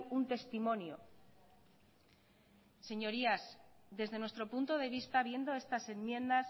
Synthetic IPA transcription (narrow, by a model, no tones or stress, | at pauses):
unt̪e̞st̪imõ̞njo̰ | se̞ɲo̞ɾiasðe̞zðe̞nwe̞st̪ɾo̞punt̪o̞ð̞e̞β̞ist̪aβje̞nd̪o̞e̞st̪ase̞nmjẽ̞nd̪as